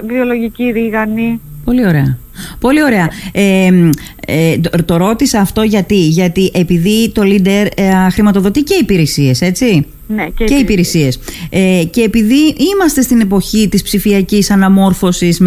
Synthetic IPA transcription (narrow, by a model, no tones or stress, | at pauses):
vio̞lo̞ʝiciɾiɣɐnipo̞lio̞ɾe̞ɐ | po̞lio̞ɾe̞ɐem | et̪o̞ɾo̞t̪isɐːft̪o̞ʝɐt̪iʝɐt̪iʔe̞piðit̪o̞lid̪e̞ɾxɾimɐt̪o̞ðo̞t̪ice̞ipiɾesie̞se̞t͡si | necceipiɾesie̞sece̞ːpiðiimɐst̪e̞st̪ine̞po̞çit̪ispsifiɐcisɐnɐmo̞ɾfo̞sis